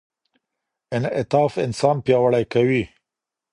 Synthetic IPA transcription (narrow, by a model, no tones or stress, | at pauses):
ɪnɪ̰t̪ɑfɪ̰nsɑnpjɑwaɽajkawi